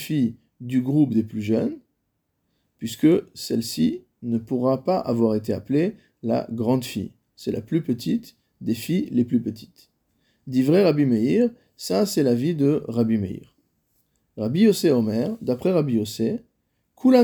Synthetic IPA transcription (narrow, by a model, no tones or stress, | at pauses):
fij | d̪yɡʁupd̪eplyʒən | pɥiskəsɛlsi | nəpuʁapaʔa̰vwaʁet̪eaple | la̰ɡʁɑ̃d̪fḭj | sɛla̰plypət̪ʰit̪ | d̪efijleplypət̪ʰi̥t̪ | d̪ivʁɛʁabimeiʁ | sasɛlavid̪əʁabimeḭʁ | ʁabiɔseɔmɛʁd̪apχɛʁabiɔse | kʰulã